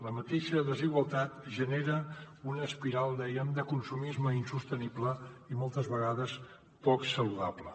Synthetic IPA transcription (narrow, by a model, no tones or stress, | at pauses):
ləmət̪eʃəðəziɣwəlˠt̪at̪ʒəneɾəunəspiɾalˠd̪ɛjəmd̪əkunsumizməinsust̪əniblə | imɔlˠt̪əzβəɣaðəs | pɔksəluðablə